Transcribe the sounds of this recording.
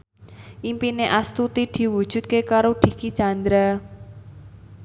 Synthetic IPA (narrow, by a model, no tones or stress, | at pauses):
ʔimpineʔast̪ut̪id̪̥i̤wud̥ʒ̥ʊ̤t̪̚kekaɾoɖ̪̥i̤kit͡ʃand̪ɾa